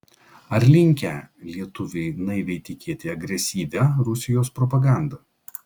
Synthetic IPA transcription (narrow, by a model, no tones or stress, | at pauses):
ɐɾʲlʲɪŋʲkʲæːlʲiɛt̪ʊʋʲɛɪnɐɪʋʲɛɪt̪ʲɪkʲiɛt̪ʲeɐɡɾʲɛsʲiːʋʲɛɾʊsʲɪjoːspɾɔpɐɡɑˑnd̪ɐ